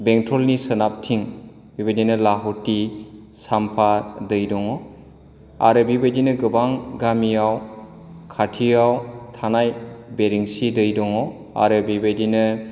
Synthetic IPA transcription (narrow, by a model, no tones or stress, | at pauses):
beŋtɾɔlnisɯnap̚tʰiŋ | bibadinɯlaɦɔti | sampʰadɯjdɔŋɔ | a̰ɾɯbibadinɯɡɯbaŋɡamijaw | kʰatʰijawtʰanajbeɾiŋsidɯjdɔŋɔ | a̰ɾɯbibadinɯ